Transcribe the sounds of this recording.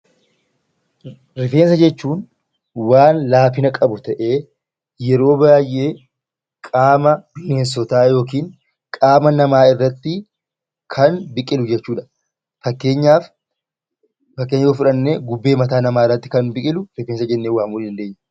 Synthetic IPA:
ɾɪfe̞ːns̬ɐd͡ʒɛt͡ʃːuːn | waːnlaːfɪnɐkʼɐbʊt̪ɐʔeː | jɛɾo̞ːbaːjʔeː | kʼaːmɐbɪneːsɔt̪aːjo̞ːk̬iːŋ | kʼaːmɐnɐmaːɪrːɐt̪ːɪ | kʰɐnbɪkʼɪlʊd͡ʒɛt͡ʃːuːᶑɐ̥ | fɐkːeːɲːaːf | ɐkːeːɲːoːfɪᶑɐnːeːɡʊbːeːmɐt̪aːnɐmaːɪrːɐt̪ːɪ̥kɐnbɪkʼɪlʊɾɪfeːnsɐd͡ʒɛnːeːwaːmʊːlːd̪ɐnd̪eːɲːɐ

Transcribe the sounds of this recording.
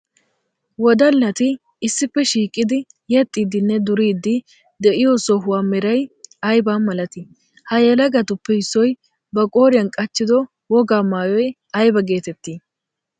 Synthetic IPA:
wɔd̪ɐlːɐt̪ɪ | ɪsːɪpːɛʃiːkʼːɪd̪ɪ | jɛt̪ʼːiːd̪ɪnːɛd̪ʊɾiːd̪ːɪ | d̪ɛʔɪjɔsɔɦʊwaːmɛɾɐjɐjbaːnmɐlɐt̪ɪ | hɐjɛlɐɡɐt̪ʊpːɛhɪsːɔj | bɐkʼoːɾɪjɐnkʼɐt͡ʃːɪd̪ɔ | wɔɡaːmaːjɔj | ɐjbɐɡe̞ːt̪ɛt̪ːiː

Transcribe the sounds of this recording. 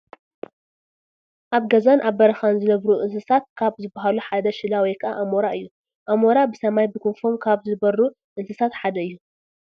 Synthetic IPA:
ʔaβɡɐzanʔaβːɐɾɐxanzɨnɐβɾuʔɨnsɨsat̪̚kʰaβzɨbːaɦaluħad̪ɐʃɨlawikʰɨʔa̰ʔamoɾaɨjːu | ʔamoɾabɨsɐmajbɨkʰonfomkʰaβzɨbɐɾu | ʔɨnsɨsat̪ħad̪ɐɨjːu

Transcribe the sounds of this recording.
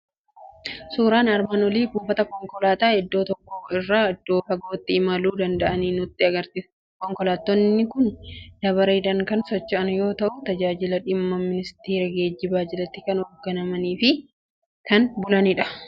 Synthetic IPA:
suːɾaːnɐɾmaːnwɔliːbuːfɐt̪ɐkɔŋkɔlaːt̪aːhɛd̪ːo̞ːt̪ɔkːɔɪrːaːɛd̪ːo̞ːhɐɡo̞ːt̪ːɪɪmɐluːd̪ɐnd̪ɐʔɐniːnʊt̪ːɪɐɡɐɾt̪iː | kɔŋkɔlaːt̪ːɔnːɪkʊnd̪̥ɐβɐɾeːd̪ɐŋkɐnsɔt͡ʃːɪʔɐnjo̞ːt̪ɐʔʊt̪ɐd͡ʒaːd͡ʒɪlɐᶑɪmːɐmɪnɪst̪eːɾɐɡeːd͡ʒːɪbaːd͡ʒɪlɐt̪ːɪkɐnɔɡɐnɐmɐniːfɪ | kɐnbʊlɐnɪᶑɐ̥

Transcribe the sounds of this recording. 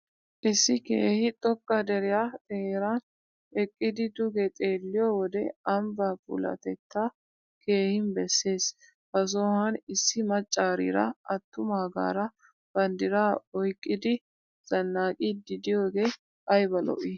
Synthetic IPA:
ʔɪsːɪke̞ːhɪt̪ʼɔkʼːɐd̪ɛɾɪjat̪ʼɛɾan | ɛkʼːɪd̪ɪd̪ʊɡɛt̪ʼe̞ːlːɪjɔwɔd̪ɛɐmbaːfʊ̰lɐ̰t̪ɛt̪ːa | kʰe̞ːhɪnbɛsːe̞ːs | bɐs̬oːhɐnɪsːɪmɐt͡ʃʼːaːɾḭːɾɐ̰ɐt̪ːʊmaːɡa̰ːɾɐ | b̥ɐnd̪ɪɾaːɔjkʼːɪd̪ɪ | z̥ɐnːaːkʼid̪ɪd̪ɪjo̞ːɡe̞ː | ʔɐjbɐlɔ̰ʔiː

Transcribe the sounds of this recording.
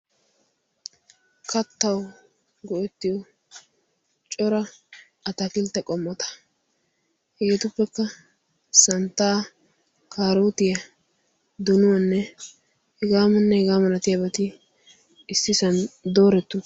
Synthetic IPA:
kʰɐt̪ːɐw | ɡɔʔɛt̪ːɪjɔ | t͡ʃʼɔɾɐ | ɐt̪ɐkɪlt̪ːɛkʼɔmːɔt̪ɐ̥ | hɛɡɛt̪ʊpːɛkːɐ | sɐnt̪ːaː | kʰaːɾoːt̪ɪjɐ | d̪ʊnʊwɐnːɛ | hɛɡaːmɐnːɛhɛɡaːmɐnɐt̪ɪjɐbɐt̪ɪ | ɪsːɪsɐnd̪oːɾɛt̪ːʊ

